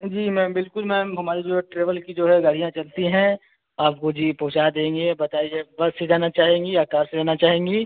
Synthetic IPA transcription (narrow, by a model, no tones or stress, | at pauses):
d͡ʒiːmɛ̃bɪlkʊlmɛ̃ɦɐmaːɾid͡ʒoɛʈɾeːʋəlkid͡ʒoːɦɛɡɐɽ̤ijãt͡ʃɐlt̪iɦɛ̃ | aːp̚kod͡ʒiːpɐɦʊt͡ʃaːd̪ẽːŋ̆ɡebɐt̪aːiebɐsed͡ʒaːnat͡ʃaːɦẽːŋɡiaːkaːɾsed͡ʒaːnat͡ʃaːɦẽːŋɡiː